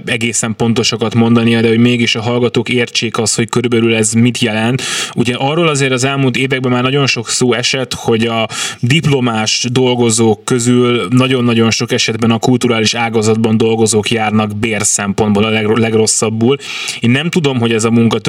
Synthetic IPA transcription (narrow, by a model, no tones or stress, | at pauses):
ɛɡeːsɛmpo̞nt̪o̞ʃɒkɒt̪mo̞nd̪ɒnijɒd̪ɛɦo̞ɟmeːɡiʃɒɦɒlɡɒt̪oːkeːrt͡ʃeːkɒsho̞ckøɾybɛlylɛzmit̪jɛlɛnt̪uɟɛʔɒrːoːlɒzeːɾɒzɛlmult̪eːvɛɡ̚bɛmːaːrnɒɟo̞nʃo̞ksoːɛʃɛt̪ho̞ɟɒd̪iplo̞maːʃd̪o̞lɡo̞zoːkːøzylnɒɟo̞nːɒɟo̞nʃo̞kɛʃɛd̪bɛnɒkult̪uɾaːliʃaːɡɒzɒd̪bɒnd̪o̞lɡo̞zoːkjaːrnɒɡbeːrsɛmpond̪boːlɒlɛɡlɛɡro̞sːɒbːuːl | eːnːɛmt̪ud̪o̞mɦo̞ɟɛzɒmuŋkɒt̪